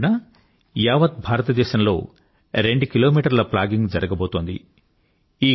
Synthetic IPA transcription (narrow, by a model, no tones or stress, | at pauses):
nɐ | jaːʋɐt̪̚bʱaːɾɐt̪ɐd̪ɛːʃɐmlo̞̰ː | ɾe̞ɳɖukilo̞ːmiːʈɐɾlɐplaːɡiŋɡd͡ʒɐɾɐɡɐbo̞ːt̪oːnd̪ḭ | iː